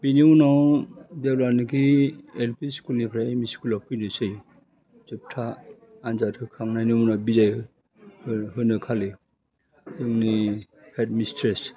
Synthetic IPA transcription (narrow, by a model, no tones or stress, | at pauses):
b̥iniunawdewlanɯkielpʰiskunipʰɾajemisi̥kulɔpʰɯjnɯsɯj | zɯp̚tʰaː | nzatʰɯkʰaŋnajnɯmunawbizaj | hɯɦɯnɯkʰale | zɯŋni | hʰetmistʰɾes